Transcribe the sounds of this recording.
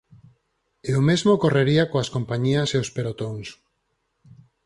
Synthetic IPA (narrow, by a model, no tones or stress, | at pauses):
eomezmokoreɾiakoaskompaɲiaseospeɾot̪oŋs